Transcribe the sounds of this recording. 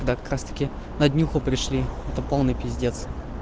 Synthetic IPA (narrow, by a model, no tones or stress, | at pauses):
ɡd̪akɐ̥kɾast̪ə̥kʲɪ | nɐd̪ʲnʲuxʊpɾʲɪʂlʲiɛt̪əpolˠnɨjpʲɪzʲdʲet̪s